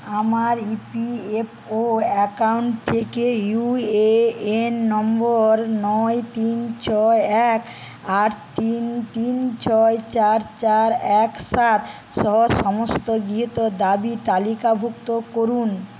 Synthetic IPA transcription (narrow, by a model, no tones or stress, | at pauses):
amaɾipiep | oɛkauɳʈ̚t̪ʰekejueenːɔmboɾnɔet̪int͡ɕɔeɛk | aɾt̪int̪int͡ɕɔet͡ɕaɾt͡ɕaɾɛksat̪ | ʃɔɦoʃɔmost̪oɡɾiɦit̪od̪abit̪alikabʱukt̪okoɾun